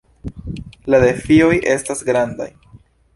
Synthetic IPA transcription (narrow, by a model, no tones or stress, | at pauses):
lade̞fio̞jʔe̞stasɡɾand̪a̰j